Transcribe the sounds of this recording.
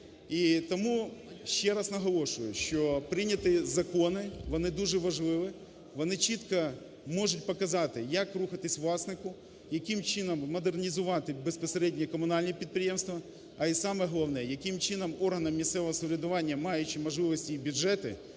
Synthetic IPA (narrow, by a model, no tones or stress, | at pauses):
it̪ɔmuʃt͡ʃɛɾɑsnɐɦɔlˠɔʃʊjʊʃt͡ʃɔpɾɪnʲɐt̪ɪzɐkɔnɪʋɔnɪd̪uʒɛʋɐʒlˠɪʋɪ | ʋɔnɪt͡ʃit̪kɐ | mɔʒʊt̚ʲpɔkɐzɑt̪ɪjɐkruxɐt̪ɪsʲʋlˠɑsnɪkʊ | jɐkɪmt͡ʃɪnɐmːɔd̪ernʲizʊʋɑt̪ɪbespɔseɾɛdʲnʲikɔmʊnɑlʲnʲipʲid̪̚pɾʲɪjemst̪ʋɐ | ɐisɑmɛɦɔlˠɐʋnɛjɐkɪmt͡ʃɪnɐmɔrɦɐnɐmːʲissɛʋɔɦɔsʊʋʲɾʲɪd̪ʊʋɑnʲːɐmɑjʊt͡ʃɪmɔʒlˠɪʋɔsʲtʲiibʲʊʒɛt̪ɪ̰